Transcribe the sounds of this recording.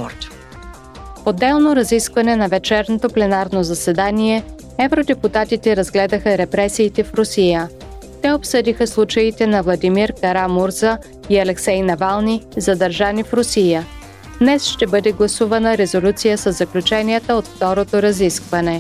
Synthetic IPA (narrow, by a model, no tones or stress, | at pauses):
od̪ːɛlˠnoɾɐziskvɐnɛnɐvɛt͡ʃɛɾnot̪oplɛnaɾnozɐsɛd̪aniɛ | ɛvɾod̪ɛput̪at̪it̪ɛɾɐzɡlɛd̪əxəɾɛpɾɛsiːt̪ɛfɾʊsijə | t̪ɛopsɤd̪ixəslˠut͡ʃɐit̪ɛnɐvlˠɐd̪imiɾkɐɾamuɾzə | iɐlɛksɛjnɐvalˠnizɐd̪ɐɾʒanifɾʊsijə | d̪nɛsʃt̪ɛbɤd̪ɛɡlˠɐsuvɐnəɾɛzolʲut̪sijəsəzːɐklʲut͡ʃɛnijət̪əot̪ft̪ɔɾot̪oɾɐziskvɐnɛ